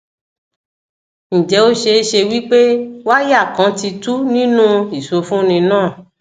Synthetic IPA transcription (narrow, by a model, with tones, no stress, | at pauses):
ñ̩˨d͡ʒɛ˨˦o˦ʃe˧˦ʃe˧wi˦k͡pe˦wa˦ja˦˨kã˨˦ti˧tu˦nĩ˦nũ˦i˨so˧fũ˦nĩ˧nãː˦˨